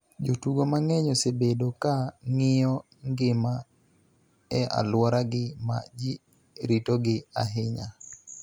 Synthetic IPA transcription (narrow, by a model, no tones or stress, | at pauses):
d͡ʒotuɡomaŋɛɲɔsebedokaŋɪjɔ | ŋɡɪma | ɛʔa̰lwɔɾaɡɪma̰d͡ʒi | ɾitoɡɪa̰ɦɪɲa